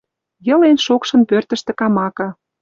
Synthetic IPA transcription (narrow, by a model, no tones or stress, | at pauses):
jɤ̆lenʃokʃə̆npørt̪ə̆ʃt̪ĕkɑmɑkɑ